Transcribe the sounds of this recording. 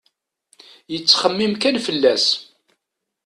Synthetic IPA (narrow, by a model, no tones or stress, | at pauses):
jət͡sːχəmːimkænfəlːæs